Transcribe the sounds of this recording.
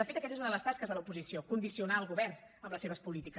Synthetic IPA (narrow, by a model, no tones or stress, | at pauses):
əfet̪əkɛt̪ezunəðələst̪askəzðəlˠəupuzisiokund̪isiunaəlˠɣuβɛrn | əmləseβəspulit̪ikə